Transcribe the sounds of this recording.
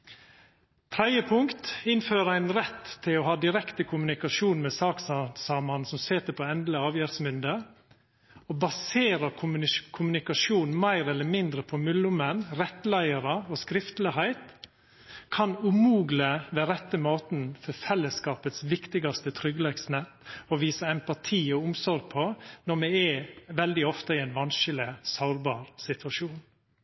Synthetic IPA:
t̪ʰɾɛd̪jəpʰʊŋkt̪ɪnføːɾəæɪnɾɛt̪ʰːɪlɔhɑːd̪ɪɾɛkt̪əkʰʊmʉnɪkɑʃuːnmɛsɑːkssɑːmɑnsɔmsɛːt̪əpʰɔɛnd̪ləɑːʋjæːɾsmʏnd̪ə | obɑseːɾəkʰʊmʉnɪkɑʂuːnmæɪɾɛlːəmɪnd̪ɾəpʰɔmʉlʊmənɾɛt̪læɪəɾəɔskɾɪft̪lɪhæɪt̪ | kʰɑnʉmuːɡləʋeːɾɛt̪ːəmoːt̪n̩fɔfɛlːəskɑːpət̪sʋɪkt̪ɪɡɑst̪ət̪ʰɾʏɡlɛɡsnɛt̪ːɔʋiːsəɛmpɑt̪ʰiːɔʊmsɔɾɡ̚pʰɔnɔmɛɛʋɛld̪ɪɔft̪əiɛɪnʋɑnʃɪləsɑʊɾbɑːɾsɪt̪ʰʋɑʃuːn

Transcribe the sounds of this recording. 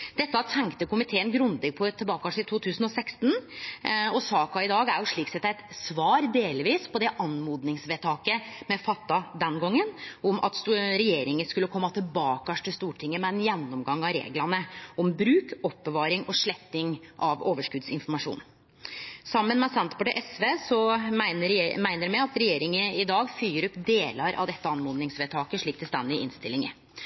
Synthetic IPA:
d̪̥ɛt̪ːəɑt̪ʰɛŋkt̪əkʊmɪt̪ʰeːənɡɾʉnd̪ɛɡ̚pʰɔt̪ʰːəlbɑːkkɑʂɪt̪ʰuːt̪ʰʉːsən̩ɔsɛkst̪n̩ | ɔsɑːkɑɪd̪ɑːɡæɾjʊʂɭiːksɛt̪ːæɛt̪sʋɑːɾd̪eːlʋiːspʰɔd̪ɛʔɑnmuːd̪nɪŋsʋɛːt̪ʰɑːkəmɛfɑt̪ːɑd̪ɛnɡɔŋːənɔmʔɑ̰t̪sɾɛjeːɾɪŋənskʉlːəkʰɔmːɑt̪ʰɪlbɑːkɑʂʈ̪ʰɪlst̪uːʈʰɪŋːəmɛɛnjɛnːɔmɡɑŋɑɾḛːɡlɑnəɔmbɾʉːkɔpːəʋɑːɾɪŋʔɔʂɭɛt̪ːɪŋʔɑʋoːʋəʂkʉd̪sɪnfɔɾmɑʂṵːn | sɑmːənmɛsɛnt̪pɑʈəʔɛsʋeːsɔæɪnəɾmæɪnəɾmɛɑt̪ɾɛjeːɾɪŋəɪd̪ɑːɡfyːɾʉpd̪eːlɑɾʔɑ̰ʋd̪ɛt̪ːəɑnmuːd̪nɪŋsʋeːt̪ʰɑːkəʂɭiːk̚t̪ʰɪst̪ɛnd̪ɪʔɪ̰nst̪ɪlɪŋə̰

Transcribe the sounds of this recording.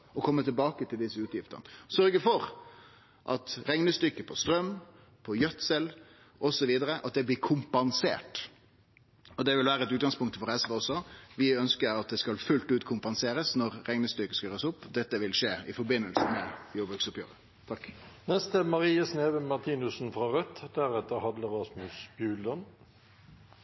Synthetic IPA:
ɔkʰɔmːət̪ʰɪlbɑːkət̪ʰɪld̪ɪsːəʉːt̪jɪft̪ə̰ʁnəsœɾɡəfɔɾ | ʔɑ̰t̪ɾɛŋnəst̪ʏkːəpʰɔst̪ɾœm | pʰɔjœt̪sɛl | ʔɔsɔʋiːd̪əɾəʔɑt̪̚d̪ɛbliːkʰʊmpɑnsḛːʈ | ɔd̪ɛʋɪlʋæːɾəɛt̪ʉt̪ɡɑnŋspʰʊŋkt̪əfɔɾɛsʋɛɔsːɔʋɪœnskəɾɑt̪̚d̪ɛskɑlfʉlt̪ʉːt̪kʰʊmpɑnseːɾəsnɔɾɾɛŋnəst̪ʏkːəskɑɾːsʊpːd̪ɛt̪ːəʋɪlʂeːɪfɔɾbɪnːəlsəmɛjoːbəksʊpjø̰ːɾə | t̪ʰɑkːnɛst̪əmɑʁiːəsneːʋəmɑʁt̪ʰiːnʉsn̩fʁɑʁœt̪ːd̪æʁɛt̪ːəhɑd̪ləʁɑsmʉsbjʉːld̪ɔn

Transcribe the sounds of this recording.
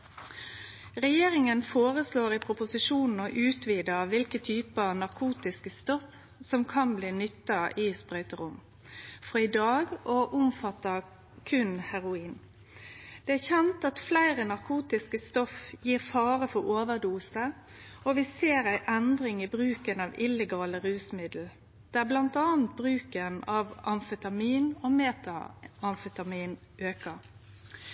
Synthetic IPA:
ʁɛjeːɾɪŋənfoːʁəsloːɾɪpʰɾʊpʊsɪʃuːnn̩ɔʔʉːt̪ʰʋiːd̪əʋɪlkət̪ʰyːpəɑnɑɾkʰuːt̪ɪskəst̪ɔf | sɔmkʰɑnbliːnʏt̪ːɑɪspʁœʏt̪əɾʊm | fɔɪd̪ɑːɡɔʔʊmfɑt̪ːə | kʰʉnhæʁʊiːn | d̪̥ɛæçɛnt̪ɑt̪flæɪʁənɑʁkʰuːt̪ɪskəst̪ɔfjiːʁfɑːɾəfɔoːʋəʁd̪uːsə | ɔʋɪseːɾæɪʔɛnd̪ʁɪŋɪbʁʉːkənɑʋɪlɛɡɑːləɾʉːsmɪd̪l̩ | d̪̥ɛæblɑnt̪ɑːnt̪̚bʁʉːkənɑʋɑnfət̪ɑmiːnomeːt̪ɑɑnfət̪ɑmiːn | ʔøːkəɾ

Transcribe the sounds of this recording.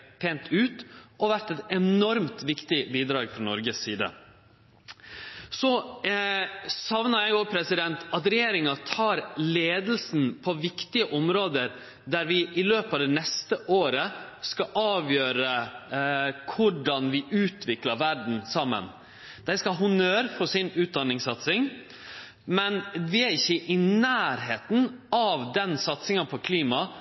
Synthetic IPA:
pʰeːnt̪ʰʉːt̪ʔɔʋæʈɛt̪ɛnɔɾmt̪ʋɪkt̪ɪbiːd̪ɾɑːɡfɾɑnɔɾɡəsːiːd̪ə̰ | sɔ | sɑʋnəɾjæɪopʰɾɛsɪd̪ɛnt̪ɑt̪ɾɛjeːɾɪŋɑt̪ʰɑːɾleːd̪l̩sn̩pʰɔʋɪkt̪ɪəʔɔmɾoːd̪əɾ | d̪æɾʋɪʔɪløːpɑːʋd̪ɛnɛst̪əʔoːɾəskɑʔɑːʋjøːɾə | kʰʊɖɑnʋɪʔʉːt̪ʰʋɪklɑɾʋæɖɳ̩sɑmːə̰n | d̪̥æɪskɑɦʊnøːɾfɔsɪnʉːt̪̚d̪ɑnːɪŋsɑt̪sɪŋ | mɛnʋɪæɾɪçːəʔɪnæːɾɦeːt̪n̩ɑʋd̪ɛnsɑt̪sɪŋɑpʰɔkʰliːmɑ

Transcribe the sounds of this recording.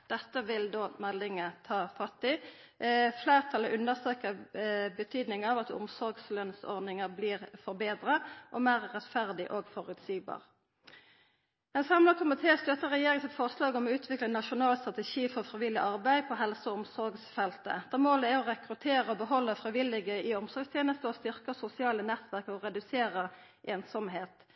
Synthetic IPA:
d̪̥ɛt̪ːəʋɪld̪oːmɛlːɪŋət̪ʰɑːfɑt̪ːɪ | fleːʁt̪ʰɑləʔʉnːəʁsøːkəbət̪ʰyːd̪nɪŋɑʋɑt̪ʊ̰msɔɾɡslœnsɔ̰ʁd̪nɪŋəʁbliːʁfɔʁbeːd̪ʁəʔɔmæːʁːɛt̪fæʁd̪ɪʔoːɡfɔʁʉt̪siːɡbɑ̰ːʁ | ɛnfʁɛmlɑkʰʊmɪt̪ʰeːst̪œt̪ːəʁɛjeːʁɪŋəsɪt̪fɔʁslɑːɡɔmɔʉːt̪ʰʋɪklənɑʃʊnɑːlst̪ʁɑt̪ɛʃiːfɔʁfʁɪʋɪlːɪʔɑʁbæɪpʰɔɦɛlsəɔʊmsɔɾɡsfɛlt̪ə̰d̪̥æːmoːləæɔʁɛkʁʉt̪ʰeːʁəɔbəɦɔlːəfʁɪʋɪlɪɡəɪɔmsɔʁɾɡst̪ʰjeːnəst̪əɔst̪ʏʁkəsʊsɪɑːlənɛt̪ʋæʁkɔɔʁɛd̪ʉseːʁə | ʔeːnsɔmɦeːt̪

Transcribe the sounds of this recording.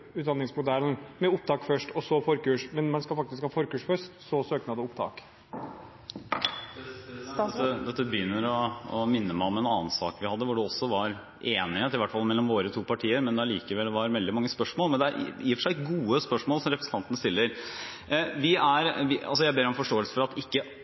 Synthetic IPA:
ʉːt̪d̪ɑnɪŋsmʊd̪æɾənmɛʊp̚t̪ɑːkfœʂʈɔsɔfɔɾkʉːʂmɛnmɛnskɑfɑkt̪ɪskhɑːfɔɾkʉːʂfœʂtsɔsøːknɑd̪ɛʊpt̪ʰɑ̰ːk | əd̪ɛt̪ːəbəjʏnːəɾɔɔmɪnːəmæɪɔmɛnɑːənsɑ̰ːkʋɪhɑd̪ːəʋʊɖɛɔsːɔʋɑɾ | ʔeːnɪhet̪ɪʋæʈːfɑlmɛlːɔmʋoːɾət̪ʰuːpɑʈʰiːəɾmɛnd̪ɛæɭiːkəʋɛld̪ɛʋɑɾʋɛld̪ɪmɑŋːəspœʂmoːlˠmɛnd̪ɛæɾ̰jiːfəʂæɪɪɡuːəspœʂmoːlsɔmɾɛpɾəsn̩t̪ɑnt̪ənəst̪ɪlːəɾ | ʋɪæɾʋɪɑ̰lsɔjæɪbeːɾɔmfɔʂʈoːɛlsə̥fɔɾɑt̪ɪkːə

